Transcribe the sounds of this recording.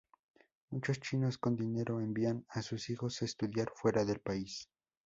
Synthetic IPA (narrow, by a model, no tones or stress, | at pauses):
mut͡ʃo̞st͡ʃino̞sko̞nd̪ine̞ɾʔo̞embianasusixo̞sest̪uðjaɾfwe̞ɾaðe̞lpais